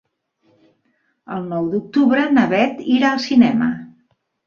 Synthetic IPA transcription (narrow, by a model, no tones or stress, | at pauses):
ə̰lˠnɔwd̪uk̚t̪uβɾənəβɛt̪iɾaəlˠsinɛmə̰